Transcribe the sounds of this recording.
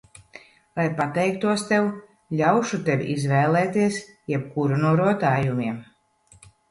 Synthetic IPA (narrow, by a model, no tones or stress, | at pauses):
lˠajpat̪ɛjk̚t̪uɔst̪ɛw | lʲawʃut̪evḭʔizvɛːlɛːt̪iɛs | jɛp̚kuɾunuɔɾuɔt̪aːjumʲiɛm